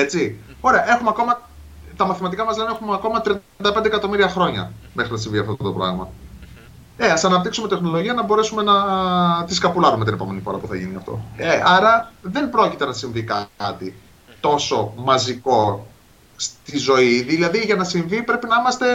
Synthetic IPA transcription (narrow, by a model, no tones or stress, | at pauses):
et͡si | o̞ɾe̞ɐʔe̞xumeɐko̞mɐ | t̪ɐmɐθimɐt̪̬ikɐmɐzlenexumeɐko̞mɐt̪ɾiɐnd̪ɐped̪ekɐt̪o̞miɾiɐxɾo̞ɲɐ̰me̞xɾinɐsiɱviɐft̪oot̪o̞pɾɐ̰ɣmɐ | eɐsɐnɐp̚t̪iksumet̪e̞xno̞lo̞ʝiɐnɐbo̞ɾe̞sume̞nɐt̪iskɐpulɐɾume̞t̪ine̞po̞̰me̞nifo̞ɾɐpuθɐʝiniɐ̰ft̪o̞̰eʔɐɾɐðe̞mpɾo̞cit̪e̞nɐsiɱvikɐt̪i | t̪o̞so̞mɐziko̞ | st̪izo̞iðilɐðiʝɐnɐsiɱvipɾepinɐimɐst̪e̞